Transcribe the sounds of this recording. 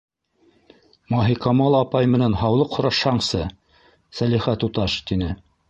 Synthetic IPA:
mɑɦiqɑmɑlˠɑpɑjmɘ̆nænɦɑwlˠɤqhŏɾɑʃhɑɴsɤ | sæliχæt̪ut̪ɑʃt̪inɘ

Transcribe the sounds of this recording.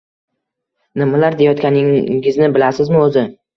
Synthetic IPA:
nɪmalaɾd̪ejɒt̪̚kʲanɪɪznɪbɪlasɪzmɪɵzɪ

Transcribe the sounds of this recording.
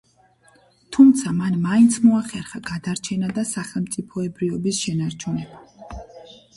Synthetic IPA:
t̪ʰumt̪sʰamanmaint̪sʰmɔaχɛɾχaɡad̪aɾt͡ʃʰɛnad̪asaχɛlˠmt̪sʼipʰɔɛbɾivɔbisʃɛnaɾt͡ʃʰunɛba

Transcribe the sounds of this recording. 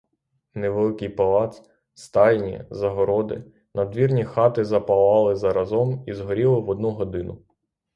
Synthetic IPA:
neʋelˠɪkɪjpɐlˠɑt̪s | st̪ɑlʲnʲḭzɐɦɔɾɔd̪ɪ̰ | nɐd̪ʋʲirnʲixɑt̪ɪzɐpɐlˠɑlˠɪzɐɾɐzɔmizɦɔɾʲilˠɪʋɔd̪nuɦɔd̪ɪnʊ

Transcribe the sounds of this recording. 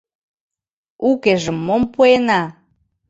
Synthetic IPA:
ukeʒəmːompuenɑ

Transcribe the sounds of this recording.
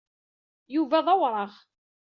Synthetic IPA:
juvæðˤɑwɾˤɑʁ

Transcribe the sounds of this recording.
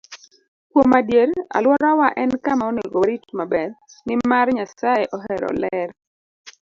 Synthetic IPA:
kwomadjeɾa̰lwɔɾawaʔɛnkamaoneɡoɾitmabɛrnɪmarɲasajɛʔɔɦɛɾɔ̰lɛɾ

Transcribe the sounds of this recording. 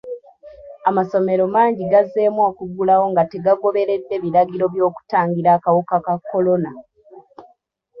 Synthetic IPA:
amaso̞me̞ɾo̞maːɲɟiɡazːe̞ːmwakuɡulawo̞ŋɡate̞ɡaɡo̞βe̞ɾe̞dːe̞βiɾaɡiɾo̞βjo̞ːku̥taːɲɡiɾaːkawukakakːo̞lo̞na

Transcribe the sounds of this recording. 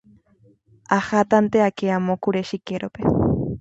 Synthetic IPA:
axat̪ant̪eakeamokuɾeʃikeɾope

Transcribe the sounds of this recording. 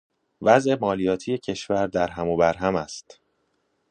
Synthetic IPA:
væzʔe̞mɒːlijɒːt̪ʰije̞cʰe̞ʃvæɾd̪æɾɦæmoːbæɾɦæmæst̪

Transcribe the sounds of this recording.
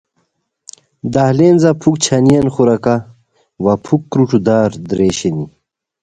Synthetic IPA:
d̪aɦleːnzɐpʰukt͡ɕʰɐnijɐnxuɾɐka | ʋɐpʰukːɾuʈud̪aːɾd̪ɾeːɕeni

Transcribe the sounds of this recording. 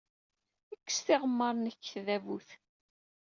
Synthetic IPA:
əkːə̥sθɪʁəmːəɾˤnəçːθðævuθ

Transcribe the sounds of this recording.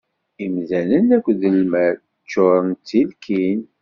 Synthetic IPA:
imðænənækʷːðəlmæɾ | t͡ʃːʊɾˤənt͡s̪ːilkʰin

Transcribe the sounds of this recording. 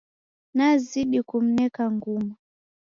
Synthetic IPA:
naziɗikum̩nɛkaŋɡuma

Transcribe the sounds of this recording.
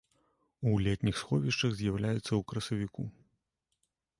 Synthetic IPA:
ulʲɛt̪ʲnʲixsxɔvʲiʂt͡ʂɐɣzʲjawlʲajut̪sːɐukɾɐsɐvʲiku

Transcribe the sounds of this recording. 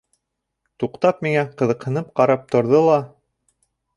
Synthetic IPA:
t̪uqt̪ɑpmiŋæqɤ̆ðɤ̆qhɤ̆nɤp̚qɑɾɑp̚t̪ŏɾðɤlˠɑ

